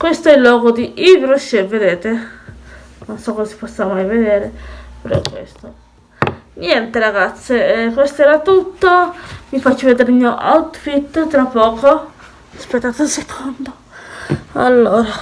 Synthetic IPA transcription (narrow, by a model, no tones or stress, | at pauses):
kwest̪oɛlːwɔːɡod̪iʔivɾoseved̪eːt̪e | nonsɔkːozasi̥pɔsːamajved̪eːɾepeɾɔ̰kwḛst̪o | njɛnt̪eɾaɡat̪sːekwest̪oɛːɾat̪ut̪ːomifat͡ʃːoved̪eːɾeimioʔa̰wt̪fit̪ːot̪ɾapːɔːko | aspet̪ːaːt̪unsekʰond̪o | a̰lːoːɾa